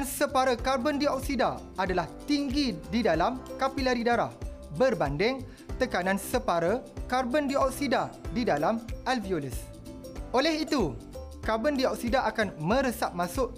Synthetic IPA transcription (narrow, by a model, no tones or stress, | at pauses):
nsəpaɾəkarbəndiɔk̚sida | adalaht̪iŋɡididalamkapilaɾidaɾa̰hbərbandɪŋ | t̪əkanãnsəpaɾəkarbəndiɔk̚sidadidalamʔalviolis | ʔolɛhit̪u | karbəndiɔk̚sidaʔakanmə̃ɾəsaʔ̚mãsʊʔ